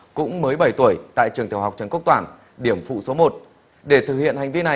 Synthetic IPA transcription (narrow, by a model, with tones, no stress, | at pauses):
kʊ̰˧˥ŋ͡mməː˨˦jɓə˧˩jt̪u˧˩əjt̪a̰ː˧˨jt͡ɕɨ˨əŋt̪ʰi˧˩wa˨˩wk͡p̚t͡ɕə˨˦nku˦˥w̚t̪waː˧˩n | ɗi˧˩əmfṵ˧˨so˨˦mo˨˩t̚ | ɗe˧˩t̪ʰɨ˨˩k̚hḭ˧˨ənha˨˩jŋ̟vi˧na˨˩